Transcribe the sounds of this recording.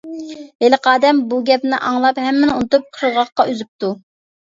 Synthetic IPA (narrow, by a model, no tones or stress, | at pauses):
eləqʰɑːd̪ɛmbuɡʲɛpnɪʔɑŋlˠɑpɦɛmːɪnunɨt̪ʊp̚qʰəɾəʁɑχqɑʔøzyp̚t̪u